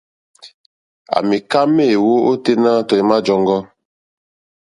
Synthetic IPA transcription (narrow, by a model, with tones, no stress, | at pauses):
a̰˨mi˨ka˦me˦˨wo˦o˦te˦na˦tɔ˨i˨˦ma˦d͡ʒɔ˦ŋɡɔ˦